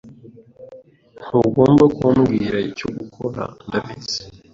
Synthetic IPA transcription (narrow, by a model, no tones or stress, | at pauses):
noɡoːmbakwamɡiɾaicoɡukʰoɾa̰ndaviz̥i̥